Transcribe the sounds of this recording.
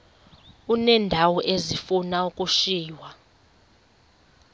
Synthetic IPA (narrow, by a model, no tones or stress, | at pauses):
unɛːndʱawɔʔezifunaukʼuʃiːwa